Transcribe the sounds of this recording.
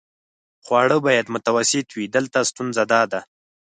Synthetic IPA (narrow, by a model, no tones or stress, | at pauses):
xwɑɽəbɑjad̪mʊt̪awasɪt̪wid̪əlt̪ast̪unzad̪ɑd̪a